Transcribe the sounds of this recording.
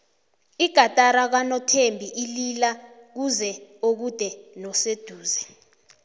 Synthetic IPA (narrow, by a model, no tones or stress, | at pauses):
iɡ̥ʱatʼaɾak̬wanɔtʰembʱiʔililak̬uzɛok̬ud̥ʱɛnɔsed̥ʱuːzɛ